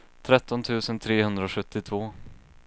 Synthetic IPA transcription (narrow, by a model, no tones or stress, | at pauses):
t̪ʰɾɛt̪ːɔnt̪ʰʉ̟ːsənt̪ʰɾeːhɵnd̪ɾaɔɧɵt̪ːɪt̪ʰv̥oː